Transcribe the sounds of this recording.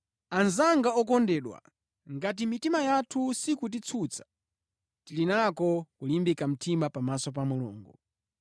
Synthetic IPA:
anzaŋɡaɔkɔndɛːɗwa̰ | ŋɡat̬imitimajatʰusikut̬it͡sʰut͡sʰḁ | tilinakɔkulimbikam̩tʰimapamasɔp̬amulṵːŋɡṵ

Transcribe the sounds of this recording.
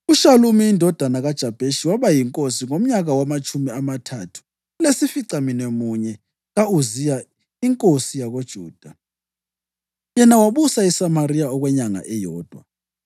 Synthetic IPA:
uʃalumiːndʱɔd̥ʱanaɣad̥ʒ̥ʱab̥ʱeʃiwaβajiŋkʼosiŋom̩ɲaɣawamat͡ʃʼumiamatʰatʰu̥ | ulesifiǀaminemuɲɛ | ɣauzija | iŋkʼosijaɣod̥ʒ̥ʱuːd̥ʱa | jɛnawaβusaisamarijaɔɣwɛɲaŋa̰ʔɛjɔːd̥ʱwa̰

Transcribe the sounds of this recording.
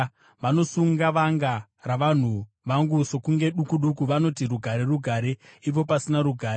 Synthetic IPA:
ʋano̞suŋɡaʋaŋɡa | raʋan̤u | ʋaŋɡuso̞kuŋɡe̞ɗukuɗukuʋano̞tiruɡʱaɾe̞ruɡʱaɾe̞ip̬o̞pasinaɾuɡʱaːɾ

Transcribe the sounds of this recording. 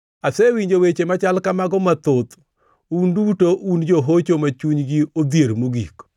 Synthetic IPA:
asewiɲd͡ʒowet͡ʃemat͡ʃalkamaɡɔmat̪ot̪ | undutoʔund͡ʒoɦot͡ʃomat͡ʃuɲɡiod̪jeɾmoɡik

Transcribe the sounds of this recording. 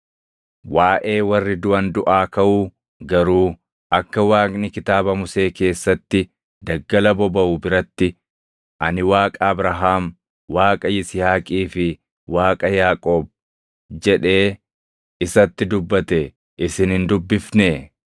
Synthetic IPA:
waːʔe̞ːwɐrːɪd̪ʊɐnd̪ʊʔaːkɐʔuː | ɡɐɾuː | ʔɐkːɐwaːkʼnɪkɪt̪aːbɐmʊse̞ːke̞ːsːɐt̪ːɪ | d̪ɐɡːɐlɐbɔbɐʔʊbɪɾɐt̪ːɪ | ʔɐnɪwaːkʼɐːbɾɐɦaːm | waːkʼɐjɪsɪhaːkʼiːfɪ | waːkʼɐjaːkʼoːb̚ | d͡ʒɛᶑe̞ː | ɪsɐt̪ːɪd̪ʊbːɐt̪ɛ | ʔɪsɪnhɪnd̪ʊbːɪfne

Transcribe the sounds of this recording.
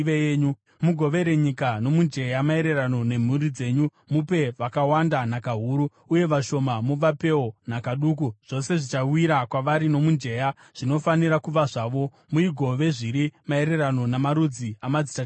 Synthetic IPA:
ʋejeːɲu | muɡʱo̞ʋe̞ɾe̞ɲikano̞mund͡ʒe̞jamae̞ɾe̞rano̞ne̞m̤uɾid͡ze̞ːɲu | mupe̞ʋakawandanakaɦuːɾu | uje̞ʋaʃo̞mamuʋape̞onakaɗuk̬uʐ̥o̞se̞ʐit͡ʃawiɾakwaʋaɾino̞mund͡ʒe̞ja | ʐ̥ino̞faniɾakuʋaʐaːʋo̞ | muiɡʱo̞ʋe̞ʐiɾimae̞ɾe̞rano̞namaɾud͡ziamad͡zi̥ta

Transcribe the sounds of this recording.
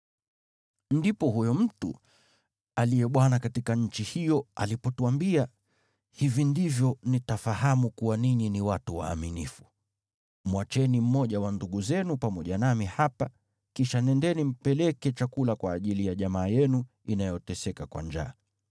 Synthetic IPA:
ndipɔhujɔm̩tṵ | alijɛɓwanakatikaɲ̩t͡ʃihijɔa̰lipɔtuambia | hivindivjɔnitafahamukuwaniɲiniwatuwa̰ːminḭfu̥ | mwat͡ʃɛnim̩mɔʄawanduɠuzɛnupamɔʄanamihapa | kiʃanɛndɛnim̩pɛlɛkɛt͡ʃakulakwaːʄilijaʄamaːjɛnu | inajɔtɛsɛkakwa̰nd͡ʒa̰ː

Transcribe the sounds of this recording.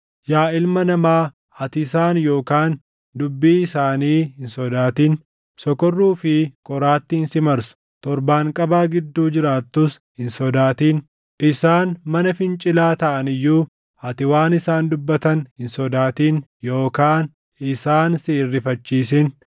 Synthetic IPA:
jaːɪlmɐnɐmaː | ɐt̪ɪsaːnjo̞ːkaːn | d̪ʊbːiːɪsaːniːhɪnsɔd̪aːt̪iːn | sɔkɔrːuːfɪkʼɔɾaːt̪ːɪhɪnsɪmɐɾsʊ̥ | t̪ɔɾbaːŋkʼɐbaːɡɪd̪ːuːd͡ʒɪɾaːt̪ːʊs | hɪnsɔd̪aːt̪iːn | ʔɪsaːnmɐnɐfɪnt͡ʃʼɪlaːt̪ɐʔɐnɪjːuː | ɐt̪ɪwaːnɪsaːnd̪ʊbːɐt̪ɐnhɪnsɔd̪aːt̪iːnjo̞ːkaːn | ɪsaːnsiːrːɪfɐt͡ʃːiːsɪn

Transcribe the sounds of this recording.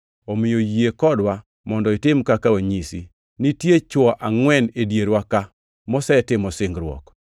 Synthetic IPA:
omɪjojiekɔdwa | mɔndɔɪtɪmkakawaɲisḭ | nitjet͡ʃɔʔaŋwɛnedjeɾwaka | mɔsɛɛtɪmɔsɪŋɡɾwɔ̰k

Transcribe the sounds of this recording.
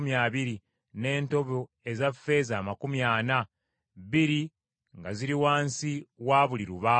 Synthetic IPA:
mjaːβiɾi | ne̞ːnto̞βo̞ | e̞zafe̞ːzaːmakumjaːna | βiɾi | ŋɡaziɾiwaːnsiwaːβuliɾuβaː

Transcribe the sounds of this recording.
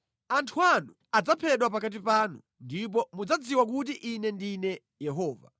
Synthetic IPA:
antʰuanu | ad͡zapʰɛɗwapakat̬ipaːnṵ | ndip̬ɔmud͡zad͡ziwak̬ut̬iʔinɛndinɛ | jɛɦɔːva̰

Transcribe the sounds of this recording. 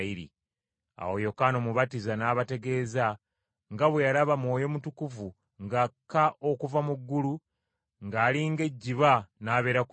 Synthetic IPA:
iɾḭ | a̰wojo̞kano̞muβatizanaːβate̞ɡe̞ːza | ŋɡaβwejalaβamwo̞ːjo̞mutukuvu | ŋɡakːaʔo̞kuvamuɡːulu | ŋɡaːliŋɡe̞ɟːiβanaːβe̞ːɾak

